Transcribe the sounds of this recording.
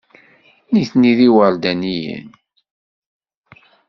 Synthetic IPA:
niθniðiwəɾd̪ænijə̰n

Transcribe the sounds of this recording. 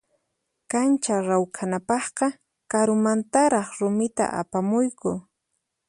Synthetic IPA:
kant͡ʃaɾawkʰanapɑχqɑ | kaɾʊmant̪aɾɑχɾʊmɪt̪a̰ʔa̰pamʊjkʊ

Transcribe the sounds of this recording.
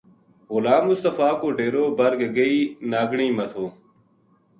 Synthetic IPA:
ɣʊlaːmːʊst̪əfaːkoːɖeːɾoːbəɾɡɡəiːnaːɡɳiːmət̪ʰoː

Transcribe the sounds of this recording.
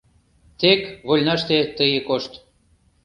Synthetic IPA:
t̪ekβolʲnɑʃt̪et̪əjekoʃt̪

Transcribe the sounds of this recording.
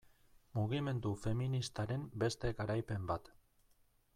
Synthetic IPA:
muɣ̞ime̞nd̪ufe̞minist̪aɾe̞mbe̞st̪e̞kaɾajpe̞mbat̪

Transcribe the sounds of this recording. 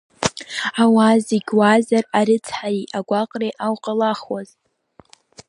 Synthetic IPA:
awaziɡʲwazaraɾɨt͡sʰħaiʔaɡʷaqʼrejʔawqʼalaχwazʼ

